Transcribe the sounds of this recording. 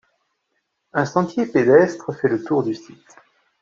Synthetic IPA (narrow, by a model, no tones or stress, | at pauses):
ɛ̃sɑ̃t̪jeped̪ɛst̪χəfɛlət̪uʁd̪ysit̪